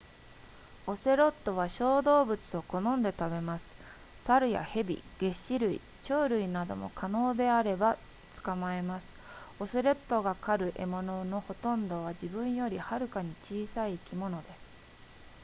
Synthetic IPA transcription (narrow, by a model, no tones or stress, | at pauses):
o̞se̞ɾo̞t̪ːo̞β̞aɕo̞ːd̪o̞ːbɯ̟t͡sɨo̞ko̞nõ̞nd̪e̞t̪abe̞masɨ̥ | saɾɯ̟ja̰he̞bʲḭɡ̥e̞ɕiɾɯ̟ḭ | t͡ɕo̞ːɾɯ̟inad̪o̞̰mo̞̰kʰano̞ːd̪e̞aɾe̞ba | t͡sɨ̥kamae̞masɨ̥ | o̞se̞ɾo̞t̪ːo̞ɡakaɾɯ̟ʔe̞mo̞no̞no̞ho̞t̪õ̞nd̪o̞β̞ad͡ʑibɯ̟̃ɰ̃jo̞ɾʲihaɾɯ̟kaɲ̟it͡ɕiːsaiːkʲimo̞no̞d̪e̞sɨ̥